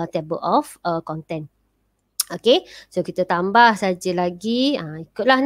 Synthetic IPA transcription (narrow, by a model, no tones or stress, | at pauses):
t̪ebə̰lʔɔfəkɔnt̪ɛn | okesokit̪ət̪ambahsad͡ʒəlaɡiãikʊt̪̚lahn